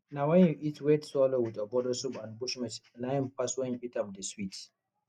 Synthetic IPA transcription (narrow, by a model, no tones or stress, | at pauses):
nawɛ̃njuʔitʰwetswɔlowidɔbɔdəsubãnbuʃmɛtnãmpaswɛ̃njuʔitap̚dəswit